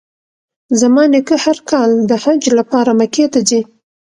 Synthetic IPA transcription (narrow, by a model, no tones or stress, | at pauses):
zamɑnɪkəhaɾkɑld̪əhad͡ʒlapɑɾamaket̪azi